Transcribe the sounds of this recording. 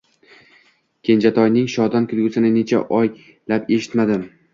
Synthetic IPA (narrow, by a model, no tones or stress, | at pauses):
kʲʰe̞nd͡ʒat̪ʰɒjnɪŋʃɒd̪ɒnkʲʰɪlˠɡʲʊsɪnɪne̞t͡ʃʰa̰ʔɒj | lape̞ʃɪ̥t̪mad̪ɪm